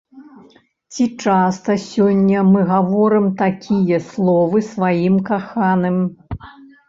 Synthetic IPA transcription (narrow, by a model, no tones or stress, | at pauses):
t͡sʲit͡ʂast̪ɐsʲɔnʲːɐmɨɣavɔɾɨmt̪akʲʰijɐslˠɔvɨsvajimkaxanɨm